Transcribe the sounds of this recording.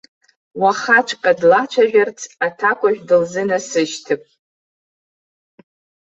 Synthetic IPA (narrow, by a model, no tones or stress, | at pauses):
waχat͡ʃʷʰqʼadlat͡ʃʷʰaʒᶣart͡sʰatʰakʷʰʼaʒᶣdɨlzɨnasɨʃtʰɨpʼ